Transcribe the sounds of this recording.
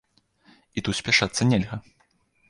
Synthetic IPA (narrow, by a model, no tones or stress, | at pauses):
it̪ut̪sʲpʲaʂat̪sːɐnʲelʲɣɐ